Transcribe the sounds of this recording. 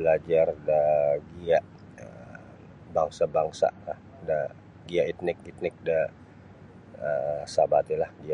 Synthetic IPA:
bəlad͡ʒardaɡiaʔ | ə | baŋsabaŋsa̰a | da | ɡiaʔit̪̚nɪk̚it̪̚nɪk̚da | əsabat̪ilahɡia

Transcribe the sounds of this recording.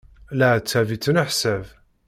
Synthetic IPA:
læt͡sːævit͡sːənəħsæv

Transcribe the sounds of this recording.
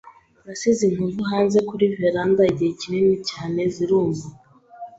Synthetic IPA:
ɾasizinhuvuɦaːnze̞kuɾiveɾandaiɟihecininicaːne̞ziɾuːɱva

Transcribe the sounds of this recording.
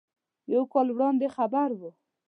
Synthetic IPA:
jawkɑlwɽɑnd̪exabaɾwu

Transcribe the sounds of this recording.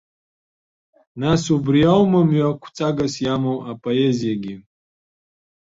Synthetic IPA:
nasubrijawmamɥakʷʰt͡sʼaɡasjamawapʼoezijaɡʲi

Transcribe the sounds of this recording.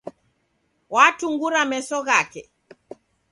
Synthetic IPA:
watuŋɡuɾamɛsɔɣakɛ

